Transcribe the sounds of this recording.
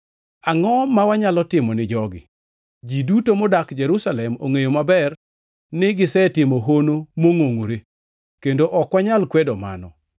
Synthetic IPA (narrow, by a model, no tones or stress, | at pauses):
aŋɔmawaɲalɔtɪmɔnɪd͡ʒɔɡɪ̰ | d͡ʒidutomɔdakd͡ʒɛɾusalɛmo̰ŋejomabɛr | nɪɡɪsɛtɪmoɦonomoŋoŋoɾe | kendoʔɔkwaɲalkwɛdɔma̰nɔ̰